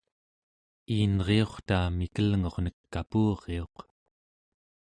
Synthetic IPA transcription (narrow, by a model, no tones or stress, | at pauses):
iːnʁe̞o̞χt̪aːmikəlŋo̞ʁnəkːapuːʁe̞o̞q